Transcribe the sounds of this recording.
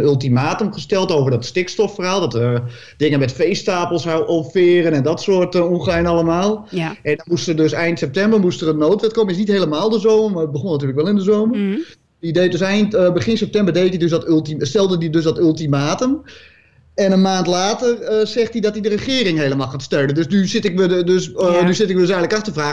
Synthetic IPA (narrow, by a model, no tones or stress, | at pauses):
nylˠtimaːtəmχəstɛlˠtoːvərdɔtstɪkstɔfərhaːlˠdɔtə | d̥ɪŋənmɛtfejstaːpəlˠsawʔɔfɪːrənɛndɔtsoətuxɛjnalˠəmaːlˠʔɛndɔnmustədøsɛjntsɛp̚tɛmbərmustərənːoːtʋɛt̚koməɪsnithejləmaːlˠdəzoːmməbəχonat̬yːləkʋɛlˠɪndəzoːmər | dideːt̚døsɛjntbəχɪnsɛp̚tɛmbərdeːtdidøs̬dɔtylˠtistɛlˠdədidøsdɔtylˠtimaːtəm | ɛnənmaːntlaːtərəsɛxtidɔtidərəχɪːɾɪŋheːləmaːlˠxaːtstøɹdəndøsnysɪtɪkmədøsnysɪtɪkʋədøsɛŋləkaxtəfraː